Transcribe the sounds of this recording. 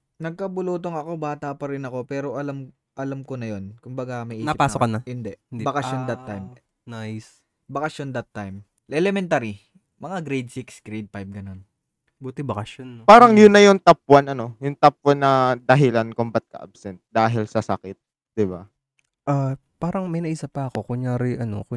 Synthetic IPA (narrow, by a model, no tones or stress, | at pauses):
nɐɡ̚kɐbʊluːt̪oŋɐko̞baːt̪ɐpɐɾɪnɐko̞pɛːɾo̞ʔɐlam | ʔɐlɐmko̞nɐjo̞nkʊmbɐɡamɐjʔiːaɪpaːsokɐnɐhɪnd̪ɛbɐkɐʃjond̪ɐt̪ːajm | najs | bɐkɐʃjond̪ɐt̪ːajm | ʔɛlɛmɛnt̪aɾi | mɐŋaɡɾejd̪̚siksɡ̥ɾejd̪̚pajb̚ɡɐno̞n | buːt̪ɪbɐkɐʃonpaːɾɐŋjʊnːɐjʊŋt̪ɐpːwɐnɐno̞jʊŋt̪ɐp̚wɐnːɐd̪ɐɦɪlankombɐt̪̚kɐ̰ʔa̰b̚sɛnt̪̚d̪aːɦɪlsɐsɐkɪt̪̚ | d̪̥ɪba | ʔa | paːɾɐŋmɐjnɐʔisɐpːɐɐko̞kʊŋɲaːɾɪʔɐno̰kʊ